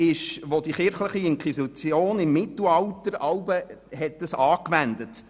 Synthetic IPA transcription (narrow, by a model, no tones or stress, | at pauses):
ɪʃʋod̥iχɪɾχləχiɪŋkwisit͡sjoːnɪmːɪtl̩ɑltəɾɑlbəɦɛt̚dəsɑːkʋændət